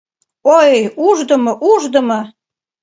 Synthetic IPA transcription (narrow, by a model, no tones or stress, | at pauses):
ojuʒd̪ə̆mɤʔuʒd̪ə̆mɤ